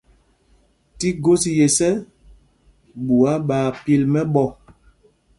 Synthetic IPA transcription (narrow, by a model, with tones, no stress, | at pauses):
ti˦ɡo˦si˨je˨sɛ˦ | ɓu˨a˦ɓaː˨pi˦lmɛ˦ɓɔ˦˨